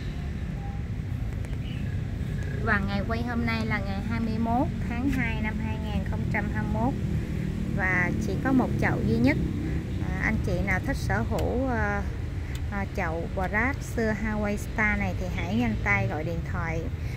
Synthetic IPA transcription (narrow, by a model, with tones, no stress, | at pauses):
vaː˨˩ŋa˨˩jkwə˧jɦo˧mna˧jlaː˨˩ŋa˨˩jɦaː˧jmɨ˧əjmo˦˥t̚t̪ʰaː˨˦ŋɦaː˧jna˧mɦaː˧jŋaː˨˩nxə˧wŋ͡mt͡ɕa˧mhaː˧mmo˦˥t̚ | vaː˨˩t͡ɕḭ˧˩˥kɔ˨˦mo˨˩t̚t͡ɕə̰˧˨wzi˧ɲə˦˥t̚ː | ʔa˧jŋ̟t͡ɕḭ˧˨naː˨˩wt̪ʰi˦˥k̟̚səː˧˩ɦu˧˩˧ | t͡ɕə̰˧˨wɓa˨˩zaː˦˥t̚sɨ˧əɦaː˧wə˧jst̪aː˧na˨˩jt̪ʰi˨˩ɦa̰˧˥jɲa˧jŋt̪a˧jɣɔ̰˧˨jɗḭ˧˨ənt̪ʰwa̰ː˧˨j